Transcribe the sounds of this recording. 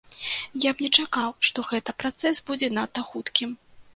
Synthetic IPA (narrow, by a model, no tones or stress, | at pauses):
jabnʲɛt͡ʂakawʂt̪ɔɣɛt̪ɐpɾat̪sɛsbud͡zʲɛnat̪ːɐxut̪kʲim